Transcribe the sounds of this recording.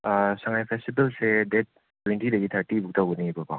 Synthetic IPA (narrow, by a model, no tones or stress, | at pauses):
asaŋajpʰestibɐlsedet̚ | tːwentʰidɐɡitʰaɾtibuk̚tawɡɐnibapa